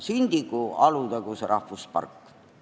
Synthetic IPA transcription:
synʲd̪̥ikuɑlud̪ɑɡ̥useɾʔɑhvuspɑ̰rkː

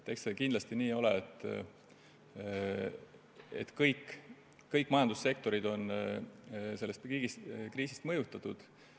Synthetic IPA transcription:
t̪eksekind̪lɑst̪iniːo̞leet̪ːˑ | e̞̰t̪kɤjkː | ɤjkːmɑjɑnd̪̥usːe̞k̚t̪o̞ɾid̪̥o̞n | se̞lːe̞st̪iːɡiskriːsi̥st̪mɤjut̪ːˑɑt̪ːˑud̪̥

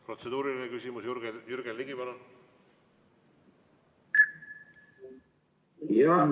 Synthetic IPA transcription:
pro̞t̪sed̪uːɾilinekysʲimusjɾɡejyrɡ̥elːiɡ̥ipɑno | jɑn

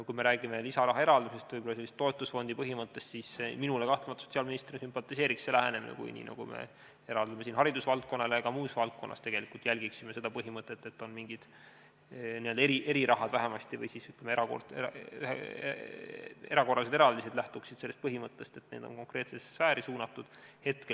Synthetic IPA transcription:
kujme̞ɾæːɡ̥ime̞lisɑɾɑɦɑe̞ɾɑld̪ɑmisest̪vɯjbo̞lːɑse̞lːist̪ːo̞et̪ˑːusfo̞nʲd̪ipɤɦimɤt̪ːe̞st̪siːsminulekɑht̪lemɑt̪ɑso̞t̪siɑlminist̪rɾinɑsympɑt̪ːˑise̞ːɾikselæɦeneminḛkṵjnʲḭːnɑ̰ɡṵmḛ | e̞ɾɑld̪̥ɑmesiːnɦɑɾid̪usvɑlt̪̚ko̞nːɑleeɡ̥ɑmuːsvɑlt̪̚ko̞nːɑ̰st̪eɡe̞likːˑult̪jælʲɡiksimese̞d̪ɑpɤɦimɤt̪ːˑe̞t̪ːe̞t̪ːo̞nmiŋɡ̥id̪̥ | nield̪ɑeɾiʔeɾiɾɑɦɑd̪̥væɦemɑst̪ivɤ̰jsiːsyt̪ːˑlemeɾɑko̰rḛɑ | e̞ɾɑko̞rːɑlsed̪eɾɑld̪ised̪læht̪uksid̪̥selːest̪̚pɤɦimɤt̪ːˑe̞st̪e̞t̪neːd̪̥o̞̰ko̞ŋkre̞ːt̪sessæːɾisuːnɑt̪ːˑud̪̥he̞t̪kel

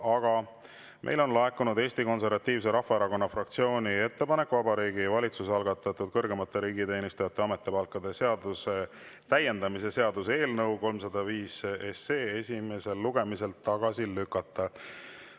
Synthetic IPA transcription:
ɑɡ̥ɑ | mʔḛjlo̞nlɑekːˑunud̪e̞ːsʲt̪iko̞nse̞rvɑt̪ːˑiːvs̬e̞ɾɑhfɑeɾɑko̞nːɑfrɑk̚t̪sio̞ːnʲie̞t̪ːe̞pɑne̞kːuvɑbɑɾiːɡivɑlʲit̪susɑlɡ̥ɑt̪ːˑɑt̪ːˑud̪̥̚kɤrɡe̞mɑt̪ːˑeɾiːɡit̪e̞ːnʲist̪ujɑt̪ːˑeɑme̞t̪ːˑepɑlkːˑɑd̪̥e̞se̞ɑd̪use̞ | t̪æje̞nd̪ɑmis̬e̞se̞ɑd̪̥use̞ːlnɤwko̞lmsɑd̪ɑviːse̞se̞ːe̞sʲime̞se̞lːuɡ̥e̞mise̞lt̪ːɑɡ̥ɑsilykːˑɑt̪ːˑɑ

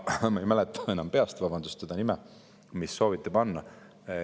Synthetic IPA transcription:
mɑejmælɛt̪ˑːɑe̞nɑmpe̞ɑst̪vɑb̥ɑnd̪ust̪sed̪̥ɑnimɛ | misːo̞ːvit̪ːˑepɑnːɑ

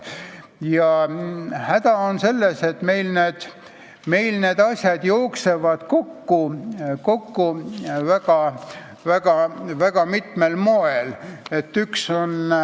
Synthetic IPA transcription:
jɑ | hæd̪̥ɑonse̞lːese̞t̪me̞jlneːd̪̥ | me̞jlne̞ːd̪̥ɑsʲjɑd̪̥jooksevɑd̪̥ko̞kːuko̞kːuvæɡ̥ɑ | væɡ̥ɑvæɡ̥ɑmit̪melmoelet̪ːykso̞n

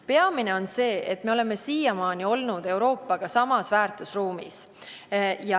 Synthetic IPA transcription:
pe̞ɑmine̞o̞nse̞ːʔe̞t̪ːme̞ole̞me̞siːjɑmɑːnio̞lnud̪̥e̞wɾo̞ːpːɑɡ̥ɑsɑmɑsvæːrt̪ˑusruːmḭs | jɑ

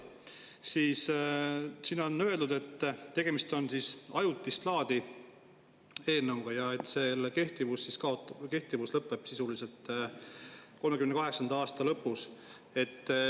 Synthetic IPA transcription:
siːs | siːno̞nːø̞e̞ld̪ud̪̥e̞t̪ːt̪e̞ɡ̥e̞mist̪o̞nsisɑjut̪ːˑist̪lɑːd̪̥i | e̞ːlnɑwɡ̥ɑjɑe̞t̪ːˑse̞lke̞ht̪ivusːiskɑot̪ke̞ht̪ivuslɤpːˑe̞b̥sisulise̞lt̪ːˑ | ko̞lmeymnekɑɦe̞ksɑnd̪ɑɑːst̪ɑlɤpːˑus | e̞t̪ː

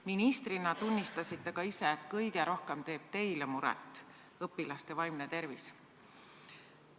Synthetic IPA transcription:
minist̪rinɑt̪unʲːist̪ɑsit̪ːˑekɑiseːt̪kɤjɡe̞ɾo̞hke̞mt̪e̞ːb̥̚t̪e̞jlemuɾɛ̰t̪ːˑ | ɤpːilɑst̪e̞vɑjmnet̪e̞ɾvis

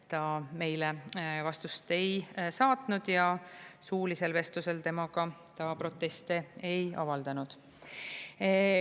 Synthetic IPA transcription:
t̪ɑme̞jlevɑst̪ust̪e̞jsɑːt̪nud̪̥jɑsuːlise̞lve̞st̪use̞lt̪e̞mɑɡɑt̪ɑpɾo̞t̪ːˑe̞st̪ee̞jɑ̰vɑld̪̥ɑnud̪̥

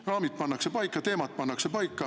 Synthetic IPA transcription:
rɑːmit̪̚pɑnːɑkse̞pɑjkːˑɑt̪e̞ːmɑt̪̚pɑnːɑkse̞pɑjkˑːɑ

